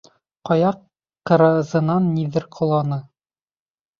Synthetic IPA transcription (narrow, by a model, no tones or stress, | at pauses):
qɒjɑqː | ɤ̆ɾɑzɤ̆nɑnːiðɘɾqʰŏlˠɑnɤ